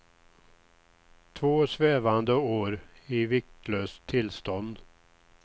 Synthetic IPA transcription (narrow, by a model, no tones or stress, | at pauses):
t̪ʰvoːsveːvand̪əoːɾ | ɪvɪk̚t̪ʰløːst̪ʰːɪlst̪ɔnd̪